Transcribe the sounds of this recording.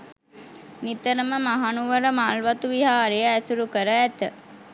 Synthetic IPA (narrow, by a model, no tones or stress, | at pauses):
nit̪əɾəməmaɦanuʋəɾəmaːlʋat̪uʋiɦaːɾejəæsuɾukəɾəæt̪ə